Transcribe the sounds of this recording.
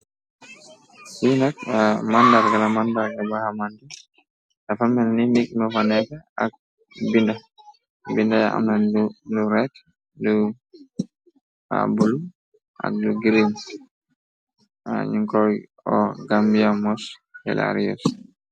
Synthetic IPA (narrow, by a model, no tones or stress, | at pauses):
sinakamandaɾɡalamandaɾɡabahamandi | nafamɛnnimikmɔfanɛkaa̰k̚ | binda | bindajaʔa̰mnanduduɾɛt | du | a̰bulu | ʔa̰k̚duɡiɾin | a̰ɲiŋkɔj | ɔɡambijamɔshɛ̰lʔa̰ɾijɔ̰s